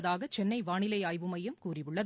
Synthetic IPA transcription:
ðaːɣɐt͡ʃɛnːɐɪʋaːɳɪlɐɪaːjʋɯmɐjɐmkuːrɪʋɯɭːɐð

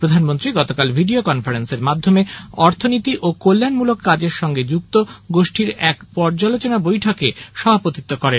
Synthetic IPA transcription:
pɾod̪ʱanmont̪ɾiɡɔt̪okalbʱiɖiokɔnfaɾenseɾmad̪ʱːomeɔɾt̪ʰonit̪iʔokolːanmulokːad͡ʑeɾʃɔŋɡed͡ʑukt̪oɡoʃʈʰiɾɛkpɔɾd͡ʑalot͡ɕonabojʈʰɔkeʃɔbʱapot̪it̪ːokɔɾen

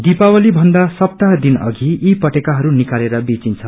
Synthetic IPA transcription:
d̪ipawʌlibʱʌnd̪asʌp̚t̪ad̪inʌ̰ɡʱiːpʌʈekaɦʌɾunikaleɾʌbit͡sint͡sʰʌ

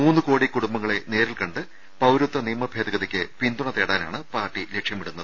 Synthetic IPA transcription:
uːnːɨko̞ːɽikuɽumbɐŋːɐɭe̞ne̞ːɾilkɐɳɖɨ | pɐwɾut̪ːɐniːmɐbʱeːd̪ɐɣɐðɐkʲːɨpind̪uɳɐt̪eːɽaːna̰ːɳɨpaːrʈːile̞kʂjɐmiɽunːɐðɨ

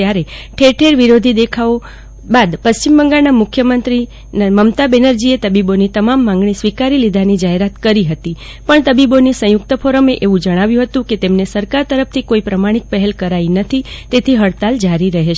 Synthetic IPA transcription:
jaɾeʈʰeʈʰeɾʋiɾod̪ʱid̪ekʰao | bad̪pəst͡ʃimbəŋɡaɭnamʊkʰjəmənt̪ɾi | nməmt̪abenəɾd͡ʒiet̪əbibonit̪əmamːãŋɡɳ̃isʋikaɾilid̪ʱanid͡ʒaɦeɾat̪kəɾiɦət̪i | pəɳt̪əbibonisə̃jʊk̚t̪əfʰoɾəmeʔeʋũd͡ʒəɽ̃aʋjũɦət̪ũket̪emnesəɾkaɾt̪əɾəp̚t̪ʰikoipɾəmaɽ̃ik̚pəɦelkəɾainət̪ʰit̪et̪ʰiɦəɭt̪ald͡ʒaɾiɾəɦeʃ

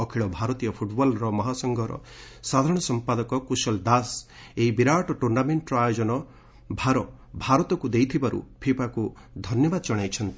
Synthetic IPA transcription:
ɔkʰiɭɔbʱaɾɔt̪ijɔpʰuʈbɔlɾɔmɔɦasɔŋɡʱɔɾɔ̰ | sad̪ʱaɾɔɽ̃ɔsɔmpad̪ɔkɔkusɔld̪as | eibiɾaʈɔʈuɾnameɳʈɾɔajɔd͡ʒɔnɔ | bʱaɾɔ | bʱaɾɔt̪ɔkud̪ejt̪ʰibaɾṵpʰipaku | d̪ʱɔnjɔbad̪ɔd͡ʒɔɽ̃ajt͡ʃʰɔnt̪i

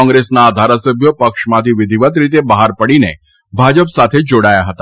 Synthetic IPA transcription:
ɔ̃ŋɡɾesnad̪ʱaːɾasəbʱjopɐkʂmãt̪iʋɪd̪ʱiʋət̪ɾit̪̬ebaɦaɾpəɽine | bʱad͡ʒəpsat̪ʰed͡ʒoɽaːjaɦət̪a

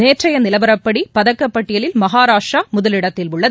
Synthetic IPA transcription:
neːʈrɐjɐnɪlɐbɐɾɐpːɐɽipɐðɐkːɐpːɐʈːɪjɐlɪlmɐɦaːɾaːʂaːmʊðɐlɪɽɐt̪ːɪlʊɭːɐðɯ

